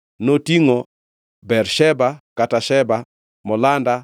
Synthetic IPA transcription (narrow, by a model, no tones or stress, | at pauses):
notiŋo | bɛrʃɛbakataʃɛba | mɔlanda